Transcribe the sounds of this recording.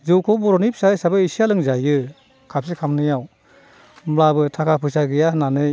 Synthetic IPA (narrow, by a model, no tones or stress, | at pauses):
zɯwkʰɔmɔɾɔnip̚ʰsajsabɯisijalɯŋzajɯ | kʰap̚sikʰamnɯjaw | mlabɯtʰakʰapʰɯsaɡɯjananɯj